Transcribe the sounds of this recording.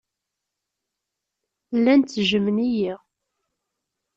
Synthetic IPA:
lːænt̪ːʒəmənijiʁ

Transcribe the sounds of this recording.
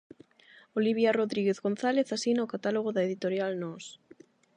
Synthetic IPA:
oliβjaroðɾiɣeθɣon̟θaleθasinaokat̪aloɣ̞oðaeðit̪oɾjalnɔs

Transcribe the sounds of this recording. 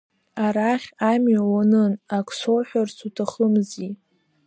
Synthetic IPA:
aɾaχʲamɥawanɨnakʰʷʼsowħʷᶣarsʰutʰaχəmzi

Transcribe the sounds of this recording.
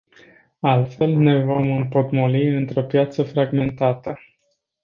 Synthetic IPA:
alt̪fe̞lne̞vo̞mɨmpo̞t̪moliɨnt̪ɾo̞pjat̪səfɾaɡme̞nt̪at̪ə

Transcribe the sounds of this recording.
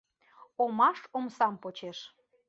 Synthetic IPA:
omɑʃomsɑmpot͡ɕeʃ

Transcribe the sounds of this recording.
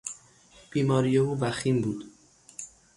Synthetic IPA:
b̥iːmɒːɾijeuːvæximbuːd̪̥

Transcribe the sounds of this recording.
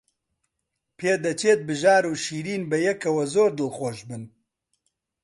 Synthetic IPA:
pʰeːd̪ɐt͡ʃʰeːt̪̚bɨʒaːɾuːʃiːɾiːnbɛjɛkʰɐwɐzoːɾd̪ɨlxoːʃbɨn

